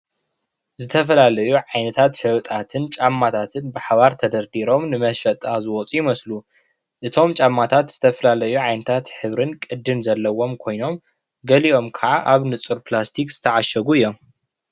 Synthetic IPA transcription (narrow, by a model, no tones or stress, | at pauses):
zɨt̪ʰɐfɐlalɐjuʕajnɐt̪ʰat̪ʃɐwt̪ʼat̪ʰɨnt͡ʃʼamːat̪ʰat̪ʰɨnbɨħaβaɾt̪ʰɐd̪ɐɾd̪iɾo̞mnɨmɐʃɐt̪ʼazɨwɔt͡sʼujimɐslu | ʔɨt̪ʰo̞mt͡ʃʼamːat̪ʰat̪z̥ɨt̪ʰɐfɐlalɐjuʕajnɨt̪ʰat̪ħɨβɾɨnkʼɨd̪ːɨmzɐlːɐwo̞mkʰo̞jno̞m | ɡɐliʔo̞mkʰɐʕaʔaβnɨt͡sʼuɾplast̪ʰikz̥ɨt̪ʰɐʕaʃɐɡuɨjːo̞m